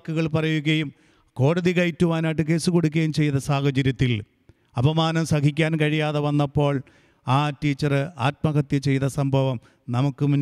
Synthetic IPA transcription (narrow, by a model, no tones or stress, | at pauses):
kːuɣɐɭpɐrɐjuɣɐjum | ko̞ːɽɐðikɐjtːuʋaːnaːʈːɨk̬e̞ːsɨkoɽukʲːɐjumt͡ɕe̞jt̪ɐsaːhɐd͡ʑɐɾjɐt̪ːil | ɐbʱɐmaːnɐmsɐkikʲːaːnkɐɻijaːðɐʋɐnːɐpːo̞ːɭ | aːtiːt͡ɕːɐrɨa̰ːt̚mɐɣɐt̪jɐt͡ɕe̞jt̪ɐsɐmbʱɐʋɐm | nɐmukːɨmunː